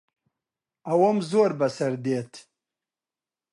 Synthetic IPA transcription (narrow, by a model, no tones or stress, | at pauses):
ɐwɐmzoːɾbɐsɐɾd̪eːt̪ʰ